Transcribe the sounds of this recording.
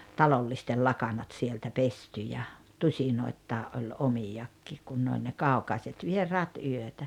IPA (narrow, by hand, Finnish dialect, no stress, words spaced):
tɑlolːistel lɑkɑnɑt sieltæ pesty jɑ tusʲinoitːɑːʔ ʔolʲ omijɑkːiːk kun ne olʲ ne kɑˑu̞kɑiset ʋierˑɑːt yøtæ